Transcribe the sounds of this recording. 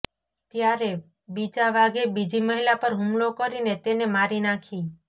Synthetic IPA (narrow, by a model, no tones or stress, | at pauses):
t̪jaɾe | bid͡ʒaʋaɡebid͡ʒiməɦilapəɾɦumlokəɾinet̪enemaɾinakʰi